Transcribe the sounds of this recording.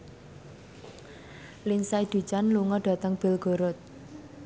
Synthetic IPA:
linsaid̪̥ṳ̥t͡ʃanluŋɔɖ̥a̤t̪əŋb̥ɪ̤lɡ̥o̤ɾʊt̪̚

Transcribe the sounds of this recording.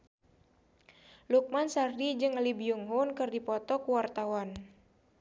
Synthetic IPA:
luk̚mansardid͡ʒɨŋlibiuŋɦunkɨrdipɔt̪ɔkuwart̪awan

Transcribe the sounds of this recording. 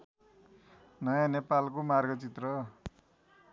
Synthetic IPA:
nʌjãnepalkomarɡʌt͡sit̪rʌ

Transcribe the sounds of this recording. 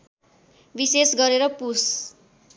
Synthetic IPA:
bisesɡʌɾeɾʌpus

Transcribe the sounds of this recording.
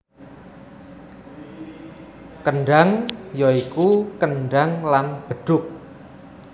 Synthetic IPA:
kəɳɖaŋjɔikukənɖaŋlanb̥əɖ̥ʊk̚

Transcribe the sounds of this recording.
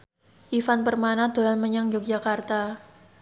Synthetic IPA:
ʔifanpərmanad̪̥o̤lanməɲaŋd͡ʒʊk̚d͡ʒakart̪a

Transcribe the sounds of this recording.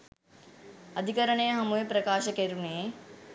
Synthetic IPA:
ɐd̪ʱikɐɾəɳeːɦɐmuepɾɐkaːʃɐkeɾune

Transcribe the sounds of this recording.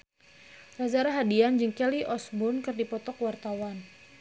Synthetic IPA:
razaɾaɦadiand͡ʒəŋkɛliʔɔsbʊnkɨrdipɔt̪ɔkwart̪awan

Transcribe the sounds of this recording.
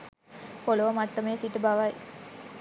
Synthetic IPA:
poləʋəmat̪ːəmejsiʈəbaʋaj

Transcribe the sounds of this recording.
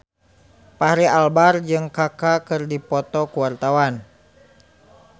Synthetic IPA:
pahɾialbard͡ʒɨŋkakakɨrdipɔt̪ɔkuwart̪awan

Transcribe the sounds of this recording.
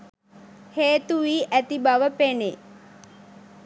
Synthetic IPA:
heːt̪uʋiːʔæt̪ibɐʋəpene

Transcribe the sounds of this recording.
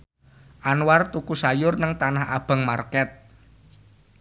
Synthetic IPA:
ʔanwart̪ukusajʊrnəŋt̪anaha̰b̥a̤ŋmarkɛt̪̚

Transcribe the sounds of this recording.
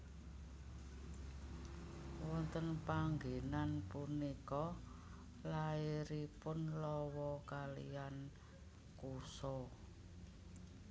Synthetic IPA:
wɔnt̪ənpaŋɡenanpunikɔ | laiɾipʊnlɔwɔkalḭan | kusɔ

